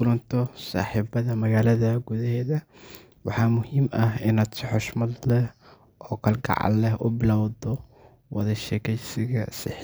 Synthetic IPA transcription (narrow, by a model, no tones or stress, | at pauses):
ʊlɐnt̪ʰɔsa̰ːħiːbɐðɐmɐɣaːlɐðɐɡuðɐɦɛːðɐ | wɑħɑːmʊhiːmɐɦɪnaːd̪sɪħɔʃmɐd̪lɛh | ʔɔːkʰɐlɡɑ̰ʕɑ̰lɛhʔʊbɪlɔwðɔ | wɑðɐʃɛːkʰɛjsɪɣɐ̰sɪħ